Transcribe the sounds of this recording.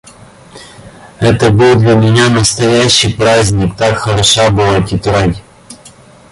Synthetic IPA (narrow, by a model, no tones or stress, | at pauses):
ɛt̪əbɨlˠd̪lʲɐmʲɪnʲanəst̪ɐjæɕːɪjpɾazʲnʲɪkt̪akxəɾɐʂabɨlˠatʲɪt̪ɾadʲ